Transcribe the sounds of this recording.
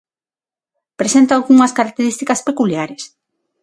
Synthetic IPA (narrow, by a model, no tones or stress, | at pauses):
pɾesent̪aːlɣuŋɐskaɾak̚t̪eɾist̪ikɐspekuljaɾes